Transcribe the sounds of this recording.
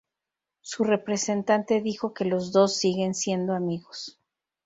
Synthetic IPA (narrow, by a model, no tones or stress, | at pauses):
sure̞pɾe̞se̞nt̪ant̪e̞ðixo̞ke̞lo̞zðo̞sːiɣe̞nsje̞nd̪oamiɣos